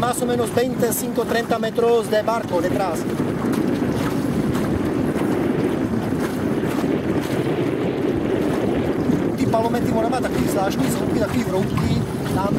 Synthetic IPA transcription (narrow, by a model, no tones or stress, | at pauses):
masomɛːnozbɛnʲt̪ɛsiŋkot̪ɾɛnt̪amɛt̪ɾozd̪ɛbaɾkod̪ɛt̪ɾas | t̪iːpaɾlomɛnt̪ivɔnamat̪akiːzlaːʃnizlukit̪akiːvɾop̪ki | d̪an